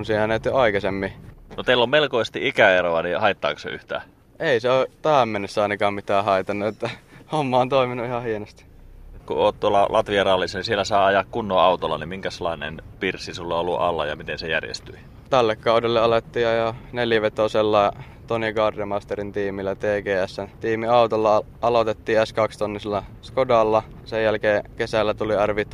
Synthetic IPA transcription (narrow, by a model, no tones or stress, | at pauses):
nsiːhænet̪ːoɑikɑsemːinot̪eilːommelkoisest̪iikæeɾoɑnihɑit̪ːɑ̰ːkosḛy̰ht̪æ̰ː | eˑiseot̪æhæmmenːesːæɑˑinɑkɑːmmit̪ˑæːhɑit̪ɑnːuet̪ːæhomːɑːont̪oiminuihɑhienost̪i̥kṵoːt̪t̪uolːɑlʔɑt̪ʋiɑrɑlːˑisːɑnisielːˑæsɑːɑjɑkkunːoːɑut̪olːɑ̰nimiŋkæselːˑɑinḛnpirsisulːɑolːṵɑ̰lːɑ̰jɑ̰mit̪ensejæ̰rjḛst̪yi | t̪ælːekːɑudelːeɑlet̪ːiːɑjɑneljæʋet̪oselːɑ | t̪onikɑrdjɑmɑst̪eɾint̪iːmilːæt̪eːɡeːæsːænt̪iːmiɑut̪olːɑ | ɑlot̪et̪ːiːæskɑkst̪onːislːɑskodɑlːɑ | sejjælkeːkesælːæt̪uliærʋit̪